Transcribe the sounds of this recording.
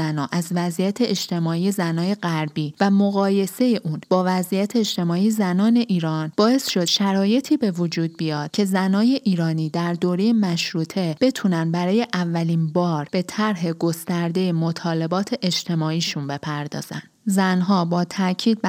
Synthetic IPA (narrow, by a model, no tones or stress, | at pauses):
ænɒːʔæzvæzʔijæt̪ʰe̞ʔeʃt̪ʰe̞mɒːiːje̞zænɒːje̞ɣæɾbiːvæmoɣɒːje̞se̞je̞ʔuːnb̥ɒːvæzʔijæt̪ʰe̞eʃt̪e̞mɒːijezænɒːne̞ʔiːɾɒːnb̥ɒːe̞sʃo̞d̪̥ʃæɾɒːje̞t̪ʰiːbe̞vod͡ʒuːd̪̚bijɒːd̪̥̚cʰe̞zænɒːje̞ʔiːɾɒːniːd̪æɾd̪oːɾe̞je̞mæʃɾuːt̪ʰe̞b̥e̞t̪ʰunænbæɾɒːje̞ʔævːæliːnbɒːɾb̥e̞t̪ʰæɾɦe̞ɡo̞st̪æɾd̪e̞jemo̞t̪ʰɒːle̞bɒːt̪ʰe̞ʔed͡ʒt̪ʰe̞mɒːiːʃunbe̞pʰæɾd̪ɒ̰ːz̥æ̰nd̪zænɦɒːbɒːt̪ʰæʔcʰiːd̪̚b